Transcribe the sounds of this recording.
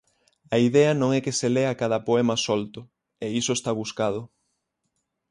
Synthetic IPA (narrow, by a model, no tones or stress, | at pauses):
ɐiðɛɐnõŋɛkɪseleakaðɐpoɛmɐsolt̪ʊ | eisoest̪aβuskað̞ʊ